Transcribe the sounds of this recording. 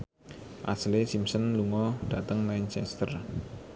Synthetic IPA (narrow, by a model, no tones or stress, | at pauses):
ʔa̰slesimsənluŋɔɖ̥at̪əŋmant͡ʃɛst̪ər